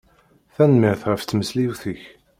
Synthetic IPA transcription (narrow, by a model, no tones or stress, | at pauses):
θænmɪʁθʁəft̪ːməsliwθəç